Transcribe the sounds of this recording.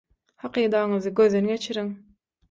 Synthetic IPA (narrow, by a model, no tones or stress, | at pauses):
hɑqiːd̪ɑɴɯzɯɡøðːenɡʲe̞t͡ʃʰiɾiŋ